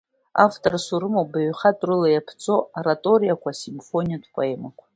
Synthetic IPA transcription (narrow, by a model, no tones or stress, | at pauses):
aftʰʼorsuɾɨmobaɥχatʼrɨlajapʰt͡sʼo̞aɾatʼo̞ɾijakʷʰasimfo̞nʲijatʷʰpʼoe̞makʷʰḁ